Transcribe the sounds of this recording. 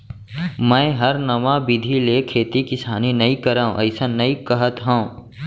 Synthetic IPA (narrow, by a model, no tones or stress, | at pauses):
mɛ̃ːɦɐɾnɐʋãbɪd̪ʱileːkʰeːt̪ikɪsaːninɐĩkɐɾaːõ̰ʔɐɪsanɐikɐɦət̪ɦɛ̃õ